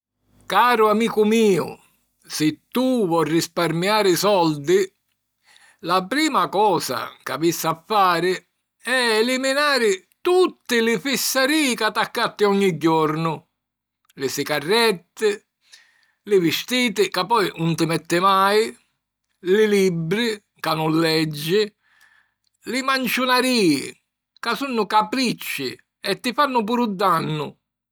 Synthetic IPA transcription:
kaːɾʊamiːkʊmiːʊ̰ | sɪt̪ːuvɔrːisparmjaːɾɪsɔld̪ɪ | lapɾiːmakɔːsa̰ka̰visːafːaːɾɪ | ɛɛliminaːɾɪ | t̪ut̪ːɪlɪfisːaɾiːkat̪ːakːat̪ːɪɔɲːiɟːɔɾnʊ | lɪsɪkarːɛt̪ːɪ | lɪvɪst̪iːt̪ɪkapːɔjnʊnt̪ɪmɛt̪ːɪmaj | lɪlibɾɪ | kanːʊnlːɛd͡ʒːɪ | lɪmant͡ʃʊnaɾiːɪ | kasunːʊkapɾit͡ʃːɪ̰ | ɛt̪ːɪfanːʊp̬uːɾud̪ːanːʊ

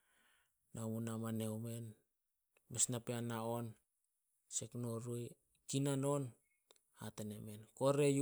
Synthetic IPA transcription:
namunamanewme̞n | mesnapeanaon | seknoɾuj | kinanon | ha̰tenemenkoɾej

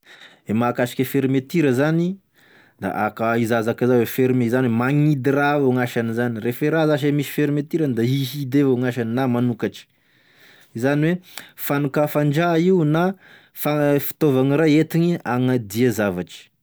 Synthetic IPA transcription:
emakaʃi̥kʲəfeɾimet̪iɾəzani | d̪a̰ʔa̰kaizazakazawefeɾimeizaniwemaŋid̪iraauŋaʃanizanirefeɾazaʃ̬emisi̥feɾimet̪iɾand̪aiɦid̪evauŋaʃaninamanukaʈ͡ʂi̥ | izaniwefanukafaɳd͡ʒaiuna | fafi̥t̪ovaŋiɾajet̪iɲiaŋad̪iazavaʈ͡ʂi̥

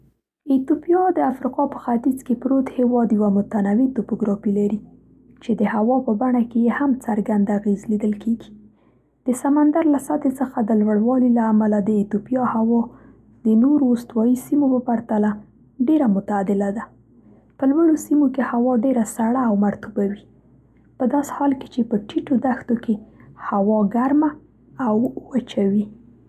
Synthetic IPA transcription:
it̪upjɑd̪əafɾiqɑpə̥xat̪izkepɾot̪hewɑd̪jəwamʊt̪anawit̪opoɡɾɑfilaɾi | t͡ʃed̪əhawɑpəbaɳakejehamt͡saɾɡand̪aɣezlid̪əlkʰeɡi̥ | d̪̥əsamand̪aɾlasat̪et͡səxad̪əlwaɽwɑlilaːmalad̪əit̪upijɑhawɑ | d̪ənoɾoːst̪wɑjisimopəpaɾt̪ala | ɖeɾamʊt̪aːd̪ɪlad̪a | pəlwaɽosimokehawɑɖeɾasaɽaːwmaɾt̪ubawi | pəd̪ɑse̥hɑlke̥t͡ʃepəʈiʈod̪axt̪okehawɑɡaɾma | awwat͡ʃawi

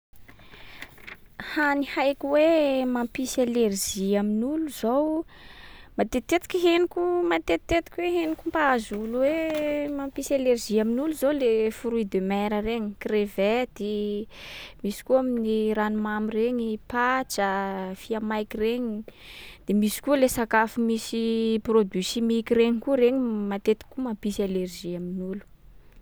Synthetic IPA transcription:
hanihajkʲiwemampisalerziaminuluz̥ow | mat̪et̪et̪i̥kʲiɦenikʲumat̪et̪et̪i̥kʲweɦenikumpaazuluwemampisalerʒiaminuluzowlefuɾuid̪emɛɾəreɲikreved̪̥e | misi̥kuaminiɾanumamireɲipat͡ʃəfiamajkireɲid̪̥emisi̥kulesakafumisiprod̪isimikiɾeɲikuɾeɲimat̪et̪i̥kːumampisalerʒiaminulu̥

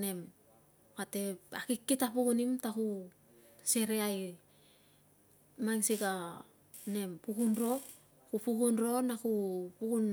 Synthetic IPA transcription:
ne̞m | kate̞akikːitapuɡunimtaku | se̞ɾeaj | maŋsiɡa | ne̞mpuɡunɾo̞ | kupuɡunɾo̞nakupuɡun

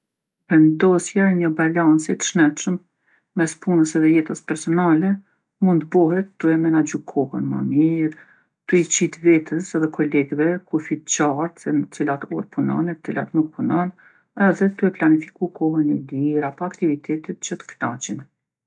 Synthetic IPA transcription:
vɛnd̪ɔsjɛɲəbalant͡sit̪ə̥ʃnɛt̪ʃəm | mɛspunəsɛðɛjɛt̪əspɛɾsɔnalɛ | mund̪bɔɦɛt̪t̪ːuɛmɛnad͡ʑukʰɔhənmə̰miɾ | t̪uit͡ɕit̪vɛt̪ʰəsɛðɛkʰɔlɛɡvɛkufid̪t͡ɕaɾt̪sɛnət̪t͡silat̪ɔɾpunɔ̰nɛt̪ət͡silat̪nuk̚punɔn | ɛðɛt̪uɛplanifikukɔɦənid̪iɾapɔakt̪ivit̪ʰɛt̪ɛt̪̚t͡ɕət̪ə̥knat͡ʃin

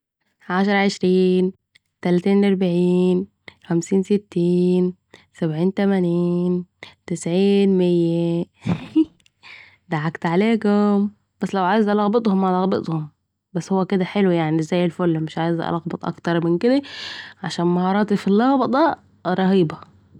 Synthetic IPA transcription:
ʕaʃɑɾˤɑʕeʃɾiːn | t̪ælæt̪iːnɑɾˤbʕiːn | xæmsiːnset̪ːiːn | sæbʕiːnt̪æmæniːnt̪ɪsʕiːnmejːæ | d̪aʕakt̪ʕaleːɡom | b̥æsːlæwʕaːjezʔælɑɣbet̪ˤhomːalɑɣbet̪ˤhom | bæsːhowːæked̪æħelwijaʕniʔzːæːjelfolːmeʃʕaːjezʔæ̰lɑɣbɑt̪ˤʔɑ̰kt̪ɑɾˤmɪnked̪æʕaʃæːnmɑhɑːɾˤɑːt̪ifilːɑɣbɑd̪ˤæ | ɾˤɑɦiːbɑ

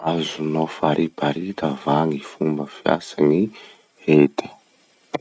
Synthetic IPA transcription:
azunofaɾibaɾit̪əvaŋifumbəfja̰sani | et̪ə̥

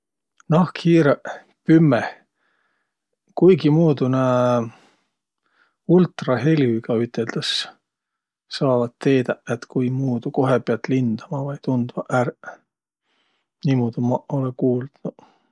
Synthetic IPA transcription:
nɑhkʰhiːɾe | pymːeh | kujɡimuːd̪une | ult̪ˑrɑɦelʲyɡ̥ɑyt̪ːˑeld̪̥ɑs | sɑːvɑt̪t̪ːe̞ːd̪̥ɑet̪kujmuːd̪̥uko̞ɦepeɑt̪lind̪̥ɑmɑvɑjt̪und̪vɑʔær | nimuːd̪̥umɑolekuːld̪̥nu

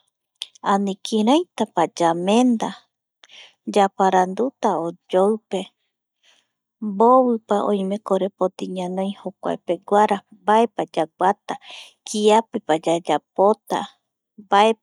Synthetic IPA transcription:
anĩkʰiɾãjt̪apad͡ʒamẽnd̪a | d͡ʒapaɾand̪ut̪aod͡ʒowpe̞ | boβɨpaʔõ̰jmẽ̞koɾepot̪iɲãnõj̃hokʷa̰epe̞ɡʷaɾa | mbaepad͡ʒakʷat̪a | kʰiapepad͡ʒad͡ʒapot̪a̰ | bae

